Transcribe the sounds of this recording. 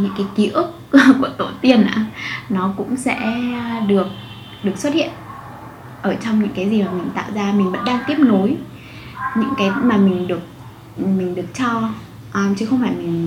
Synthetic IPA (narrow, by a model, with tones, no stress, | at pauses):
ɲɨ̰˧˥ŋkaː˨˦jki˨˦ʔɨ˦˥k̚ku˧˩ət̪o˧˩t̪i˧ənʔa̰ː˧˩nɔ˨˦kʊ̰˧˥ŋ͡msɛ̰˧˥ɗɨ˨˩ək̚ | ɗɨ˨˩əkswt̚hḭ˧˨ən | ʔəː˧˩t͡ɕɔ˧wŋ͡mɲɨ̰˧˥ŋkaː˨˦jzi˨˩maː˨˩mï˨˩ŋ̟t̪a̰ː˧˨wzaː˧mï̟˨˩və̰˧˥nɗaː˧ŋt̪i˦˥əp̚no˨˦j | ɲɨ̰˧˥ŋkaː˨˦jmaː˨˩mï˨˩ŋ̟ɗɨ˨˩ək̚ | mi˨˩ŋ̟ɗɨ˨˩ək̚t͡ɕɔ˧ | ʔmt͡ɕɨ˨˦xə˧wŋ͡mfaː˧˩jmï˨˩ŋ̟